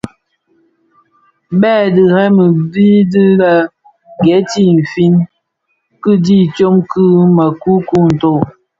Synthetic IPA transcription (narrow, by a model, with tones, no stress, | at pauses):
bɛː˦˨dɨ˨hɛ˦mə˨bi˦di˦la˨ | ɡɛ˨˦ti˦m̩˨fi˦n | kɨ˦di˦t͡ʃo˦mkʰɨ˦ma˨ku˦ku˦n̩˨to˦˨